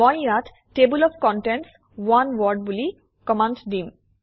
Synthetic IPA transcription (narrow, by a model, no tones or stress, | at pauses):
ɔjat | ʈebulɔfkɔ̃ɳʈenʈs | wanwɔɖ̚buli | kɔmãnɖɖim